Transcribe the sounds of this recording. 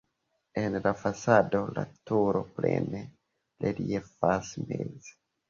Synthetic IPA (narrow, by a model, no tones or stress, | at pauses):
enlafasado̞la̰tuɾo̞plḛne | leliefasmez